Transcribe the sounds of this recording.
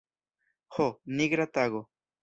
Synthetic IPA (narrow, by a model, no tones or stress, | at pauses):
honiɡɾat̪aɣo